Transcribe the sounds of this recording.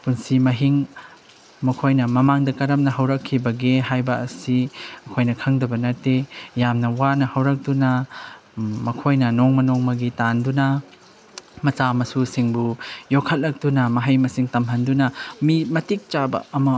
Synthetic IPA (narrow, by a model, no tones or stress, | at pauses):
punsimɐɦiŋ | mɐkʰojnɐmɐmaŋdɐkɐɾɐmnɐɦɐwɾɐkʰːibɐɡeɦajbɐːsiɐkʰojnɐkʰɐŋdɐbɐnɐtejamnɐwanɐhɐwɾɐk̚tunɐ | mɐkʰojnɐnoŋmɐnoŋmɐɡitandunɐ | mɐt͡ʃamɐsusiŋbujokʰːɐt̚lɐk̚tunɐmɐɦɐjmɐsiŋtɐmɦɐndunɐmimɐtik̚t͡ʃabɐ̰ɐmɐ